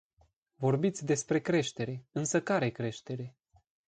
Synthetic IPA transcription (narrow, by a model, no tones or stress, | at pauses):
vo̞rbit̪sʲd̪e̞spɾe̞kɾe̞ʃt̪e̞ɾe̞ɨnsəkaɾekɾe̞ʃt̪e̞ɾe̞